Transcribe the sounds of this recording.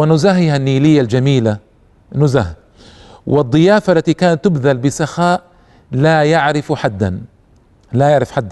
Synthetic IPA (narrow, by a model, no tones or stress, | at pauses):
wɪnʊzaɦɪhanːiːlɪjːald͡ʒamiːla | nːʊzah | wɪd̪ˤːɨjaːfaʔlːat̪ikaːnat̪ːɪbðalbɪsaxaːʔ | lajaʕɾɪfħad̪ːa̰n | lajaʕɾɪfħad̪ː